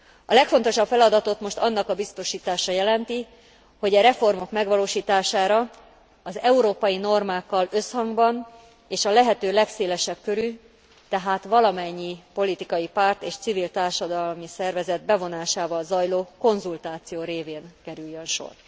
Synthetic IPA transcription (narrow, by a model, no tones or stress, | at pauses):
ɒlɛkfo̞nt̪o̞ʃɒpfɛlɒd̪ɒt̪o̞t̪mo̞ʃt̪ɒnːɒkɒbist̪o̞ʃiːt̪aːʃɒjɛlɛnt̪i | ho̞ɟɒɾɛfo̞rmo̞kmɛɡʋɒloːʃiːt̪aːʃaːɾɒ | ɒzɛuɾoːpɒjino̞rmaːkːɒlø̞shɒŋɡbɒn | eːʃɒlɛɦɛt̪øːlɛkseːlɛʃɛb̚kø̞ɾy | t̪ɛɦaːt̪ʋɒlɒmɛɲːipo̞lit̪ikɒjipaːrt̪eːʃt̪sivilt̪aːrʃɒd̪ɒlmisɛrvɛzɛd̪̚bɛvo̞naːʃaːvɒlzɒjloːko̞nzult̪aːt̪sijoːɾeːveːnkɛɾyjːønʃo̰r